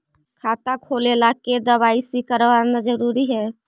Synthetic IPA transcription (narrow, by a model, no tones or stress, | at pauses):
kʰat̪akʰolelaked̪əβaisikəɾʋanad͡ʒəɾuɾiɦɛ